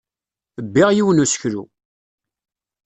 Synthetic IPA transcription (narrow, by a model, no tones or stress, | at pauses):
əbːiʁjiwənusə̥çɾṵ